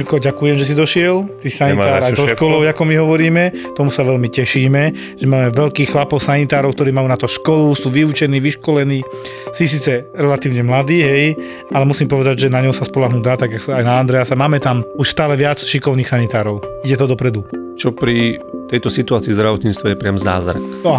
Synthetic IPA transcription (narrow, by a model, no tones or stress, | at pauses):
lkɔɟakujɛmʒɛs̬id̪ɔʃɪɛlt̪iːsanit̪aːɾaj̪ɔɔʃkɔlɔʊakɔmiɦɔʋɔɾiːmɛt̪ɔmusaʋɛlmicɛʃiːmɛ | ʒ̥ɛmaːmɛʋɛʎkiːxxlapɔʊsanit̪aːɾɔʊk̚t̪ɔɾiːmajuːnat̪ɔʃkɔlusuːʋiut͡ʃɛniːʋiʃkɔlɛniː | sis̬iːt͡sɛɾɛlat̪iːʊɲɛmlad̪iːɦɛj | alɛmusiːmpɔʋɛd̪aɟʒɛnaɲɔʊsaspɔlaɦnud̪aːt̪aɡaksajnaːnd̪ɾɛasamaːmɛt̪amuʃst̪aːlɛʋɪat͡sʃikɔʊniːxsanit̪aːɾɔʊiɟɛt̪ɔd̪ɔpɾɛd̪ut͡ʃɔpɾit̪ɛjt̪ɔsit̪uaːt͡siːzd̪ɾaʋɔt̪ɲiːt͡st̪ʋɔjɛpɾɪamza̰ːzɾa̰k̪ɔ